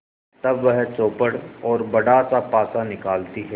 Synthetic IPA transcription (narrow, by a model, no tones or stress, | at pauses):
t̪ɐbʋɛɦt͡ʃoːpəɽɔːɾbɐɽasapaːsanɪkaːlt̪iɦɛː